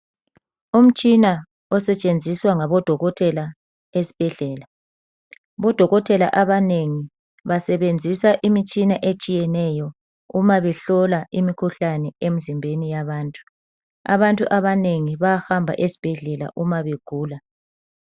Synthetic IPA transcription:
um̩t͡ʃʼina | ɔsɛt͡ʃʼend͡zʱiswaŋaβɔd̥ʱɔɣɔtʰɛla | esi̥b̥ʱɛɮɛːla | βɔd̥ʱɔɣɔtʰʼɛla̰ʔaβaneŋi | βasɛβend͡zʱisaʔimit͡ʃʼinaʔet͡ʃʼijɛnɛjɔ | umaβɛɬɔlaʔimikʰuɬanɛem̩zimbʱenijaβaːntʼu̥ | a̰βantʼuʔaβaneŋiβaahambʱa̰ʔesi̥b̥ʱɛɮɛla̰ʔumaβeɡ̥ʱuːla

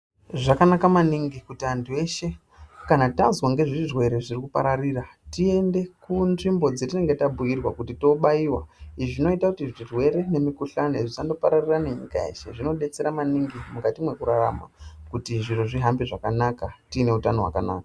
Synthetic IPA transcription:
ʐakanakamaniŋɡikutiantʰue̞ʃe̞ | kanatanzwaŋɡe̞ʐiʐirwe̞ɾe̞ʐirikupa̰ɾariratie̞nde̞kunʐimbo̞d͡zetine̞ŋɡe̞tabʱujirwakutito̞ɓaiwa̰iʐino̞itakutiʐirwe̞ɾe̞ne̞mikuɬaneʐisando̞paɾariraneɲḭka̰e̞̰ʃe̞̰ʐino̞ɗe̞t͡se̞ɾamaniŋɡimukatimwe̞kuɾara̰ma̰kutiʐiroʐiɦambiʐakanakatine̞utano̞wa̰kana̰ːkḁ

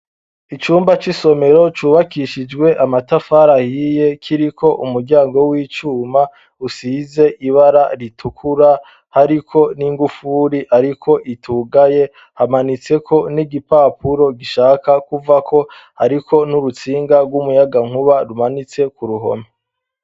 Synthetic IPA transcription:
it͡ʃuːmbat͡ʃiso̞me̞ɾo̞t͡ʃuːβakiʃid͡ʒɡwe̞ʔamatafaɾahije̞kʰiɾikʰo̞ʔumuɾɟaːŋɡo̞wiːt͡ʃuːma | usize̞ʔiβaɾaɾitʰukʰuɾa | haɾikʰo̞niŋɡufuɾiʔaɾikʰo̞ʔitʰuːɡaje̞ | hamanit͡se̞kʰo̞niɡipaːpuɾo̞ɡiʃaːkakuvakʰo̞haɾikʰo̞nuɾut͡siːŋɡaɡwumujaɡaŋ̥huβaɾumanit͡se̞kuɾuɦo̞̰me

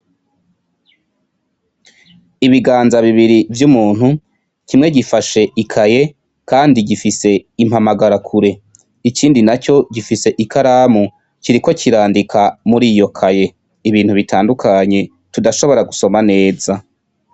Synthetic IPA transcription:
iβiɡaːnzaβiβiɾivjumuːn̥hu | cimŋe̞ɟifaʃe̞ikʰaje̞ | kaːndiɟifise̞im̥hamaɡaɾakʰuɾe̞ | ikiːndinat͡ʃo̞ɟifise̞ʔikʰaɾaːmu | ciɾiko̞ciɾaːndikʰamuɾiːjo̞kʰaje̞ | iβiːnhuβitʰaːndukʰaɲe̞ | tudaʃo̞βo̞ɾaɡuso̞mane̞ːza

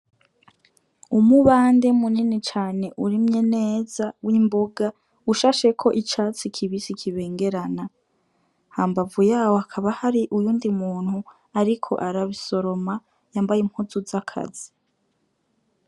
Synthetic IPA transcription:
umuβaːnde̞muninit͡ʃaːne̞ʔuɾimɲe̞neːzawʔimbo̞ɡa | uʃaːʃe̞kʰo̞ʔit͡ʃaːt͡sikʰiβisikʰiβe̞ːŋɡe̞ɾana | haːmbavujaːwoakʰaβahaɾiʔujuːndimuːn̥hu | aɾikʰo̞̰ʔaɾaβiso̞ɾo̞ma | jaːmbajim̥huzuzakʰa̰zi̥

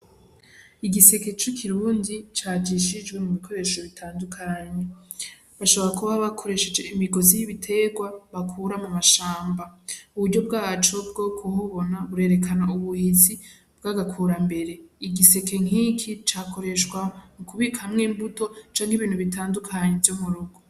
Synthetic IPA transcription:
iɡise̞ke̞t͡ʃikʰiɾuːndit͡ʃaːd͡ʒiʃid͡ʒɡwe̞muβikʰo̞ɾe̞ːʃo̞βitʰaːndukʰaɲe | βaʃoβoɾakuβaβakʰo̞ɾe̞ʃe̞d͡ʒe̞imiɡo̞zijiβitʰe̞ɡwaβakʰuːɾamumaʃaːmbauβuɾɟo̞b̚ɡaːt͡ʃo̞b̚ɡo̞ːkʰuhuβo̞naβuɾe̞ːɾe̞kʰanauβuhizi | b̥ɡaːɡakʰuːɾambe̞ɾe̞iɡise̞ke̞ŋ̥ikʰit͡ʃako̞ɾe̞ʃwamukuβikahamŋiːmbuto̞t͡ʃaːŋɡiβiːnhuβitaːndukʰaɲevjomuɾuɡo

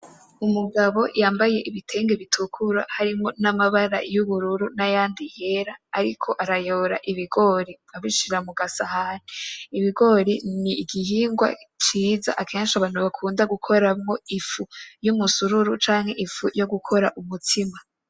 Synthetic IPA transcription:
umuɡaβo̞̰jaːmbaje̞ʔiβitʰe̞ːŋɡeβitʰukʰuɾa̰haɾimo̞namaβaɾa̰juβuɾuɾunajaːndihe̞ɾaːɾikʰo̞ʔaɾajoɾa̰ʔiβiɡo̞ːɾi | aβiʃiɾamuɡasahaneiβiɡo̞ɾiniːɡiɦiːŋɡwa̰t͡ʃiːza̰ʔakʰe̞ːnʃaβaːn̥uβakʰuːndaɡukʰo̞ɾamŋo̞ifujumusuɾuɾut͡ʃaːŋ̥he̞ʔifujo̞ɡukʰo̞ɾaʔumutʰima

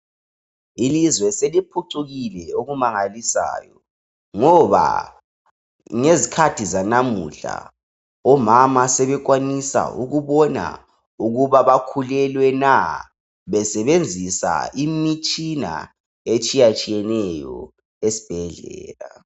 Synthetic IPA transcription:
ilizwɛselipʰuǀʰuɣilɛoɣumaŋalisa̰ːjɔ | ŋɔβa̰ | ŋezikʰatʰizanamṵɬa̰ | ɔmamasɛβɛk̬wanisa̰ṵɣuβɔna̰ | uɣuβaβakʰulɛlwɛna | βɛsɛβend͡zʱisa̰imit͡ʃʼina̰ | et͡ʃʼijat͡ʃʼijɛnɛjɔ̰ | esi̥b̥ʱɛɮɛ̰ːla

